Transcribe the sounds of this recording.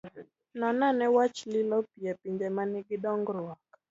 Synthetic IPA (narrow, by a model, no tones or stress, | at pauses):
nɔnanɛwat͡ʃlɪlɔpiɛpiɲd͡ʒɛmanɪɡɪdɔŋɡɾʊak